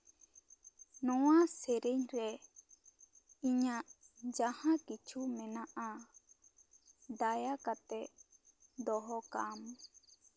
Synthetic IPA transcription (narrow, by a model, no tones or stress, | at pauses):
nɔwaseɾeɲɾɛ | iɲaʔd͡ʒahãkit͡ʃʰumɛnaʔa | d̪ajakat̪ɛʔ | d̪ɔɦɔkam